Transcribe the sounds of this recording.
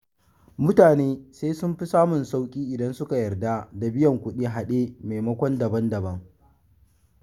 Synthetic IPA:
mʊ˦taː˨neː˦seː˦sʊ˦mɸi˦saː˦mʊ˨nsa˦wkʲʼiː˦ʔɪ˨dɐ˦nsʊ˦ka˨jɐ˨rda˦da˨bɪ˦jɐ˨ŋkʷʊ˦ɗiː˦ɦa˨ɗeː˦me˨jmɐ˦kʷɔ˦ndɐ˨bɐ˦ndɐ˨bɐ˦ŋ

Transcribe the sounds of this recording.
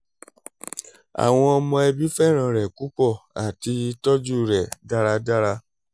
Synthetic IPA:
a̰˨w̃ɔ̃˧ɔ˧mɔ̃˧ɛ˧bi˦fɛ˦˨ɾ̃ã˧˨ɾɛ˨ku˦k͡pɔ˦˨a˨ti˧tɔ˦d͡ʒu˦˨ɾɛ˨da˦ɾa˧da˦ɾa˧

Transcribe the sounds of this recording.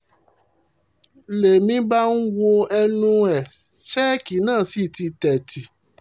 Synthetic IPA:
le˨mĩ˧˦ba˦n̩˦wo˧ɛ˧nũ˦ɛ˨ | ʃɛ˦ki˨˦nãː˦˨si˦˨ti˧tɛ˨ti˨

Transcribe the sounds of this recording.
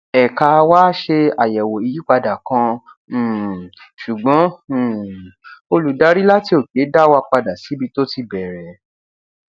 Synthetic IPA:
ɛ˨ka˨˧waː˦ʃe˧a˨jɛ˨wo˨i˨˧ji˦k͡pa˧da˨kã˧˦˨ | ʃu˨ɡ͡bɔ̃˨˦˨ | o˧lu˨da˨˦ɾi˦la˦ti˧˦o˦˨ke˨˦da˦wa˧k͡pa˧da˨si˨˦bi˧˦to˦ti˧˦bɛ˨ɾɛ˨

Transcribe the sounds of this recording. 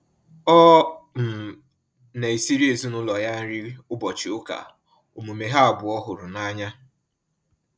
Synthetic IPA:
ɔ˦m̩˨ | ne˨i˨si˦ɾi˦e˨zu˦nʊ˦lɔ˨ja˦n̩˦ɾi˦ʊ˦bɔ˨t͡ʃɪ˨ʊ˦ka̰˨ | o˨mu˨me˨ɦa˦a˨bʊ˨ɔ˦ɦʊ˨ɾʊ˨na˦ɲa˦

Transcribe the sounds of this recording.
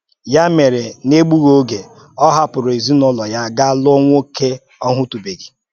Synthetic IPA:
ja˦me˨ɾe˨ne˦ɡ͡bu˦ɣo˦ɡe˨ | ɔ˦ɦa˦pʊ˨ɾʊ˨e˨zi˦nɔ˦lɔ˨ja˦ɡa˦lʊ˦ŋʷo˦ke˦ | ɔ˦ŋʷʊ˦tu˨be˨ɡi˨

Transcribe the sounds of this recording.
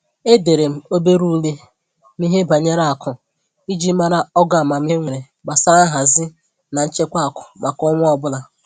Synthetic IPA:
e˦de˨ɾe˨m̩˦o˦be˦ɾu˦le˦ | mi˦ɦe˦ba˨ɲe˦ɾa˦˨a˨kʰʊ˨ | i˦d͡ʒi˦ma˦ɾa˦ɔ˦ɡa˦˨a˨ma˨m̩˦i˦ŋʷe˨ɾe˨ | ba˨sa˦a˦ɦa˨zɪ˦ | na˨n̩˦t͡ʃe˦kʷa˦a˨kʊ̥˨ma˨kɔ˦ŋʷʊ˦ɔ˦bʊ˦la˨

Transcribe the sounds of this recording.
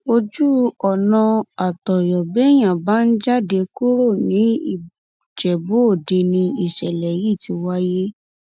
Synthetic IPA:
o˧d͡ʒu˦ɔ˨nã˧a˨tɔ˨jɔ˨bɛ˨˦j̃ã˨ba˦n̩˦d͡ʒa˦˨de˧ku˦ɾo˦˨nĩ˨˦i˦˨ | d͡ʒɛ˨bo˨˦o˦˨de˧nĩ˧i˨ʃɛ˨lɛ˨ji˦˨ti˧wa˦je˦

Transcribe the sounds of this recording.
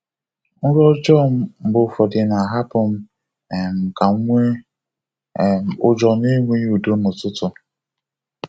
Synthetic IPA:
ŋ̩˦ɾɔ˦d͡ʒɔ˦m̩˦m̩˨bʊ˨fɔ˨de˨na˨ɦa˦pʊ˨m̩˦˨ | m̩˨ka˨˦ŋʷe˦˨ | ʊ˦d͡ʒɔ˨ni˦ŋʷe˦ju˨do˦nʊ˨tʊ˦tʊ˨

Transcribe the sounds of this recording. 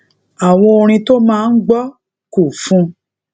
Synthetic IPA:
a˨w̃ɔ̃˧o˧ɾ̃ĩ˧to˦mãː˦˧n̩˦ɡ͡bɔ˦ | ku˨fũ˧˦

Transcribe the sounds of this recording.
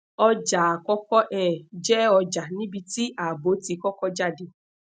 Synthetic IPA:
ɔ˧d͡ʒa˨a˨kɔ˦kɔ˦ʔɛ˦˨d͡ʒɛ˦ɔ˧d͡ʒa˨nĩ˦bi˧ti˦ʔa˨bo˨˦ti˨˧kɔ˦kɔ˦d͡ʒa˦di˧

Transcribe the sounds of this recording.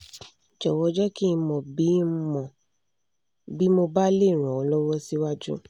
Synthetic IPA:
d͡ʒɔ˨wɔ˧˦d͡ʒɔ˦ki˦˧˦mɔ̃˨bi˨˦mɔ̃˨ | bi˨˦mo˧ba˦le˦˨ɾ̃ũ˨ɔ˨˦lɔ˦wɔ˦si˦wa˦d͡ʒṵ˦

